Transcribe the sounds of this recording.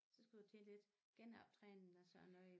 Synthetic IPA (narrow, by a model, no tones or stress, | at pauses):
sɒ̽sɡ̥ud̥ut͡sʰe̝nled̥ | ɡ̥enɑb̥̚t͡sʰʁɛːnn̩æsœɐnɔɪ